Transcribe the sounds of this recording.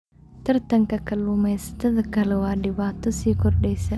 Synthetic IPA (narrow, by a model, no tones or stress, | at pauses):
t̪ɐɾt̪ɐŋkɐkːɐlːumesɐ̥t̪ɐd̪ɐkːɐlɐwaːdɪbaːt̪ːʊsiːkɔɾɗeːsɐ